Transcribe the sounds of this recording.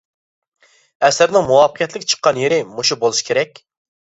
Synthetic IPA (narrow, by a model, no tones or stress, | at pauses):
ɛsɪɾnɪŋmuwɑpqʰjɛt̪lɪkʲt͡ʃʰə̥qːɑnjeɾɪmuʃubolˠuʃi̥kʲʰeɾɛk̚ʲ